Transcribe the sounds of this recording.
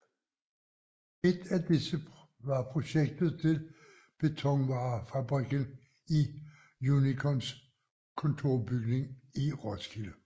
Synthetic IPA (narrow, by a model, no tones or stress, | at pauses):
e̝d̥æd̥isə | ʋɑ̈pʰʁo̝ɕeɡ̥̚d̥ð̩ˠt͡sʰe̝l | b̥e̝t͡sʰɒ̽ŋʋɑ̈ːfæb̥ʁiɡ̥ən | i | junikʰɔns | kʰɔ̽nt͡sʰo̝ɐb̥yɡ̥ne̝ŋiʁɒskʰilə